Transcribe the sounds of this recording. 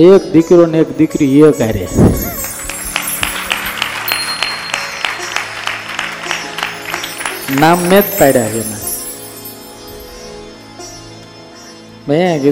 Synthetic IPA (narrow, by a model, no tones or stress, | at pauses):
ekd̪ikɾonekd̪ikɾiɦiəkaɾḛ | namːet̪paɽaɦena | meɡi